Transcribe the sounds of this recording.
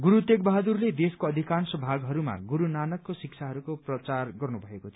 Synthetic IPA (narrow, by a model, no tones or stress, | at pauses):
ɡuɾut̪ekbʌɦad̪urled̪eskoʌd̪ʱikansʌbʱaɡɦʌɾuma̰ɡuɾunanʌkːosik̚t͡sʰaɦʌɾukoprʌt͡sarɡʌrnubʱʌekot̪ʰo